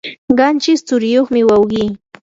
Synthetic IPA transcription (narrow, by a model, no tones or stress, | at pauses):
ɢɑnt͡ʃɪst͡sʊɾɪjoχmɪwawɢiː